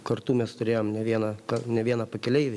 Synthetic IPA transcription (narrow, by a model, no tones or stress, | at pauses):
kɐɾt̪uːmʲɛst̪ʊɾʲeːjoːmnʲɛʋʲiɛnɐkɐnʲɛʋʲiɛnɐːpɐkʲɛlʲɛɪʋʲeː